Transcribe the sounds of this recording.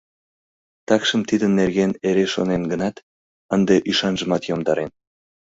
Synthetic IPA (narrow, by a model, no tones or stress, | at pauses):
t̪ɑkʃəmt̪id̪ənːerɣeneɾeʃonenɡənɑt̪ | ənd̪eʔyʃɑnʒə̆mɑt̪jomd̪ɑɾen